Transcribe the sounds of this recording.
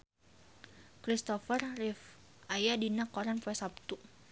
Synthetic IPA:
kɾist̪ɔfərrifʔajadinakɔɾanpɛsap̚t̪u

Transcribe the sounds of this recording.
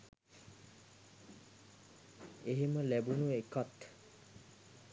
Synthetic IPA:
eɦeməlæbunuekat̪

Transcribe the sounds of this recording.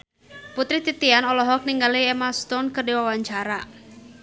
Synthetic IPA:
put̪ɾit̪it̪ianɔlɔɦɔk̚niŋɡaliɛmast̪ɔnkərdiwawaɲt͡ʃaɾa

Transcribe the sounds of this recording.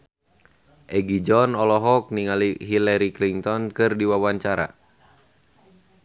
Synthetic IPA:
ʔɛɡid͡ʒɔnɔlɔɦɔk̚niŋaliɦilɛɾikliŋt̪ɔnkɨrdiwawaɲt͡ʃaɾa̰

